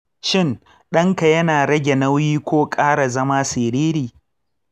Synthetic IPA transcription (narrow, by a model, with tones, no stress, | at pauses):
ʃɪ˦˨n | ɗɐ˦ŋka˨jɐ˦naː˨ɽɐ˦ɡʲe˨nɐ˦wjiː˦kʷoː˦kʼaː˦ɽa˨zɐ˦maː˦sɪː˨ɾiː˦ɾiː˨